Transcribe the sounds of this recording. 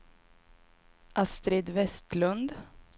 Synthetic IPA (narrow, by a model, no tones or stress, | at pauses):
ʔɑst̪ɾed̪vɛst̪lɵnd̪